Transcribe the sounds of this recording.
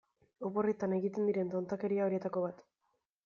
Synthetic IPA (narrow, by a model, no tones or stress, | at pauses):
opo̞rit̪ane̞ɣit̪e̞nd̪iɾe̞nt̪o̞nt̪ake̞ɾiao̞ɾie̞t̪ako̞βat̪